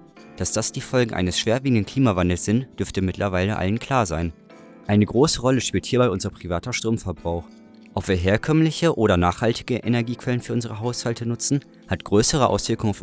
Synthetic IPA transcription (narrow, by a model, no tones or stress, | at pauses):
d̥asd̥asd̥iːfɔlɡŋ̩ʔa̰ɪnəsʃv̥eːɐviːɡŋ̩dən̩kʰl̥iːmavandl̩sz̥ɪntd̥ʏɐftəmɪtʰlʔɐvaɪləʔa̰lənkʰl̥aːɐzaɪn | ʔaɪnəɡʁoːsəʁɔləʃpiːlthiːɐbaɪʔʊnzɐpʁ̥ivaːtɐʃtʁ̥oːmfɛɐbʁaʊx | ʔɔpv̥iːɐɦeːɐkʰœmmlɪçəʔoːɾɐnaːχhaltɪɡəʔenɛɐɡiːkv̥ɛlənfyːɐʊnzəʁ̞əɦaʊshaltʰənʊt͡sn̩ | hatɡ̥ʁøːsəʁ̞əʔa̰ʊsv̥ɪɐkʊŋaʊf